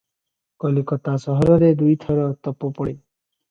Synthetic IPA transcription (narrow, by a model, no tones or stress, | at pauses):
kɔlikɔt̪asɔɦɔɾɔɾed̪ujt̪ʰɔɾɔt̪ɔpɔpɔɽi